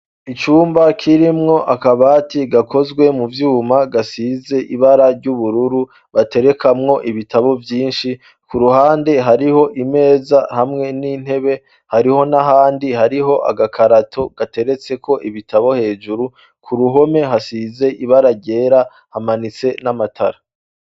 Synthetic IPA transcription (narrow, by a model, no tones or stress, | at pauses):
it͡ʃuːmbakʰiɾimŋo̞ʔakaβatiɡakʰo̞zɡwe̞muvjuːmaɡasize̞ʔiβaɾaɾɟuβuɾuɾu | βate̞ɾe̞kʰamŋo̞ʔiβitaβo̞vjiːnʃi | kuɾuhaːnde̞ɦaɾiho̞ʔime̞ːzahamŋe̞nin̥he̞βe̞ | haɾiho̞naɦaːndihaɾiɦo̞ʔa̰ɡakʰaɾatʰoɡ̥ate̞ɾe̞t͡se̞kʰo̞ʔiβitʰaβo̞he̞ːʒuɾu | kʰuɾuɦo̞me̞ɦasize̞ʔiβaɾaɟe̞ːɾa | hamanit͡se̞namatʰaɾa